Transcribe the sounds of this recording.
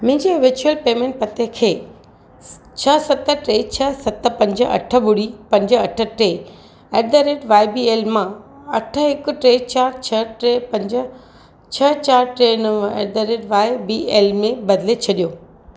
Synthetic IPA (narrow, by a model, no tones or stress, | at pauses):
mɪ̃ɪ̃ɲd͡ʑeʋɪɾt͡ɕuəlpeːmẽːɳʈ̚pɐt̪ekʰeː | t͡ɕʰɐsɐt̪ə̆ʈɾeːt͡ɕʰɐsɐt̪ə̆pɐ̃ɲd͡ʑəɐ̰ʈʰə̆bʊɽipɐ̃ɲd͡ʑəɐʈʰə̆ʈɾeː | eːɖd̪əɾeːʈʋaːɪbiːeːlmã | ɐʈʰəɦɪkʊ̆ʈɾeːt͡ɕaːɾt͡ɕʰɐʈepɐ̃ɲd͡ʑə̆ | t͡ɕʰɐt͡ɕaːɾʈɾenɐʋḛːd̪əɾeʈʋaːɪbieːlmẽbɐd̪ɪlet͡ɕʰɐɗijoː